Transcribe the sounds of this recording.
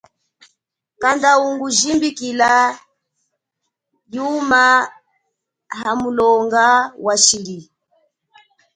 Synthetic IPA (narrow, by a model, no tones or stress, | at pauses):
kandauŋɡuʒimbikila | juma | ɦamulɔŋɡawaʃili